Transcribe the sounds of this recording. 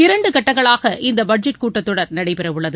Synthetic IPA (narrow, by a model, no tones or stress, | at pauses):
ɪɾɐɳɖɯkɐʈːɐŋɡɐɭaːɣɐʔɪnd̪ɐbɐɖ̚d͡ʒɐʈ̚kuːʈːɐt̪ːɯɽɐɾnɐɽɐɪpɛɾɐʋɯɭːɐðɯ